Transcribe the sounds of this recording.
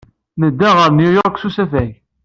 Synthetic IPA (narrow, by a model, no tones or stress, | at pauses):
nəd̪ːæʁəɾnjʊjoʁkʷsusæfæʝ